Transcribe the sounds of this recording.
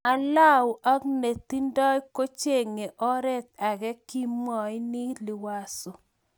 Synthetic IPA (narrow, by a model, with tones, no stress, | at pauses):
a˨la˦wʔa˦kne˨t̪i˦ndɔ˦jko˦t͡ʃe˦˨ŋe˨ʔɔ˦ɾɛ˦t̪̚a˨ɡɛ˦ki˦mɔ˨ɪ˦ni˦li˨wa˦so˨